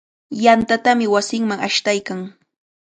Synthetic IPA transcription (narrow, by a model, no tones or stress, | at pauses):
jant̪at̪amɪwasɪŋmaŋaʃt̪ajkaŋ